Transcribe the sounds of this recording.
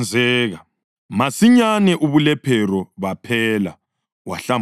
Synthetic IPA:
nd͡zʱɛːɣa | masiɲanɛʔuβulɛpʰɛɾɔβapʰɛːla | waɬam

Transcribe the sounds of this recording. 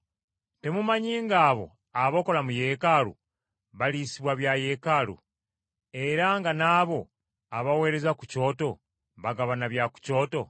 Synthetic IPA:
te̞mumaɲiːŋɡaːβo̞̰ | aβo̞ko̞lamuje̞ːkalṵ | βaliːsiβwaβjaje̞kalṵ | e̞ɾaŋɡanaːβo̞ | aβawe̞ːɾe̞zakuco̞ːto̞ | βaɡaβanaβjaku̥co̞ːto̞

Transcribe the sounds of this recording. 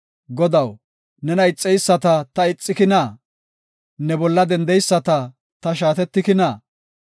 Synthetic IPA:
ɡɔd̪ɐw | nɛnɐɪt͡sʼːɛjsːɐt̪ɐt̪ɐɪt͡sʼːɪkɪnɐː | nɛbɔlːɐd̪ɛnd̪ɛjsːɐt̪ɐ | t̪ɐʃ̬aːt̪ɛt̪ːɪkɪnɐː

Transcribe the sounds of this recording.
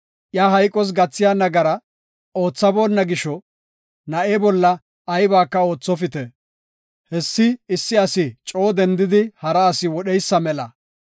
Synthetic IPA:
ʔjaːɦɐjkʼɔs̬ɡɐt͡sːɪjaːnɐɡɐɾɐ | o̞ːt͡sːɐbo̞ːnːɐɡɪʃɔ | nɐʔeːbɔlːɐ | ɐjbaːkːɐo̞ːt͡sːɔfɪt̪ɛ | hɛsːɪɪsːɪɐsɪt͡ʃʼo̞ːd̪ɛnd̪ɪd̪ɪhɐɾɐːsɪwɔɗɛjsːɐmɛlɐ

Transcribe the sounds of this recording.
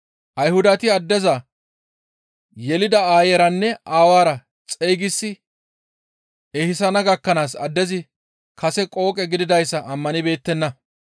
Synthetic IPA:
ʔɐjhʊd̪ɐt̪ɪɐd̪ːɛzɐ | jɛlɪd̪ɐaːjɛɾɐnːɛaːwaːɾɐ | t͡sʼejɡɪsːɪ | ɛhɪsɐnɐɡɐkːɐnaːsɐd̪ːɛzɪ | kɐsɛkʼo̞ːkʼɛɡɪd̪ɪd̪ɐjsːɐʔɐmːɐnɪbe̞ːt̪ːɛnːɐ

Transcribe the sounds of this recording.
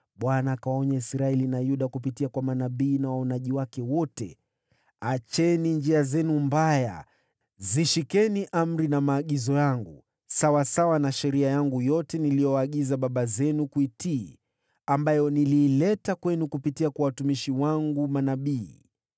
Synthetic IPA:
ɓwanaːkaɔɲaisɾaɛlinajuɗakupitiakwamanaɓiːnawaɔnaʄiwakɛwɔtɛ | at͡ʃɛnind͡ʒiazɛnumbaja̰ | ziʃikɛniʔam̩ɾinamaːɠizɔjaŋɡu | sawasawanaʃɛɾiajaŋɡujɔtɛnilijɔwaːɠizaɓaɓazɛnukuitiː | ambajɔniliːlɛtakwɛnukupitiakwawatumiʃiwaŋɡumanaɓiː

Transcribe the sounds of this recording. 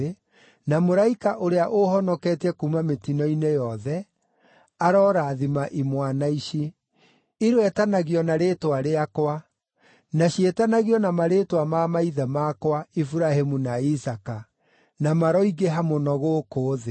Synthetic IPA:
e | namoɾaikaʔoɾeaʔohɔnɔkɛtɛkuːmametinɔinejɔðɛ | aɾɔɾaːðimaʔimwanaiʃi | iɾwɛtanaɣiɔnaɾetwaɾeakwa | naɕietanaɣiɔnamaɾetwamamaiðɛmakwaifuɾahemunaisaka | namaɾɔiɡeɦamonɔɣoːkoːðe

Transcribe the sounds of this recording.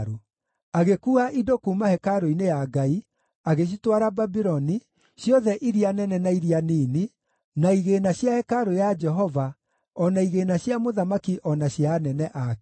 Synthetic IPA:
ɾu | aɣekuːaʔidokuːmahɛkaɾoinejaɡai | aɣeɕ̬itwaɾababiɾɔni | ɕjɔðɛʔiɾianɛnɛnaiɾianini | naiɣenaɕjahɛkaɾojad͡ʒɛɦɔva | ɔnaiɣeːnaɕjamoðamakiʔɔnaɕjanɛnɛʔak

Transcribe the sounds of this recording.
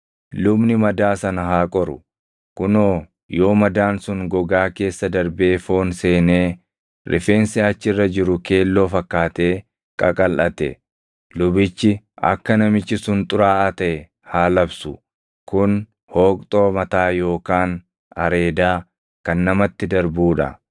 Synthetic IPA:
lʊbnɪmɐd̪aːsɐnɐɦaːkʼɔɾʊ | kʊnoː | jo̞ːmɐd̪aːnsʊŋɡɔɡaːke̞ːsːɐd̪ɐɾbe̞ːfo̞ːnseːneː | ɾɪ̰fe̞ːnsɪɐt͡ʃːɪrːɐd͡ʒɪɾʊke̞ːlːo̞ːfɐkːaːt̪e̞ː | kʼɐkʼɐlʔɐt̪ɛ̰ | lʊbɪt͡ʃːɪ | ɐ̰kːɐnɐmɪt͡ʃːɪsʊnt̪ʼʊɾaːʔɐt̪ɐʔɛ | haːlɐbsʊ | kʊn | ho̞ːkʼt̪ʼo̞ːmɐt̪aːjo̞ːkaːn | ɐɾe̞ːd̪aː | kɐnːɐmɐt̪ːɪd̪ɐɾbuːᶑɐ̰

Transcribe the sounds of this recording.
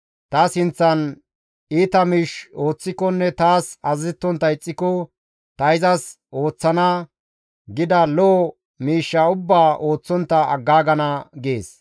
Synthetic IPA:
t̪ɐsɪnt͡sːɐn | iːt̪ɐmiːʃo̞ːt͡sːɪkɔnːɛt̪aːsɐzɛt̪ːɔnt̪ːɐɪt͡sʼːɪkɔ | t̪ɐɪzɐs | o̞ːt͡sːɐna | ɡɪd̪ɐlɔː | miːʃːɐʊbːaːʔo̞ːt͡sːɔnt̪ːɐɐ̰ɡːaːɡɐnɐɡḛːs

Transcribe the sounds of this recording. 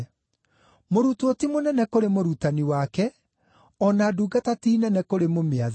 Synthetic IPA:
moɾutotimonɛnɛkoɾemoɾutaniwakɛ | ɔnaːduːɡatatiːnɛnɛkoɾemomeað

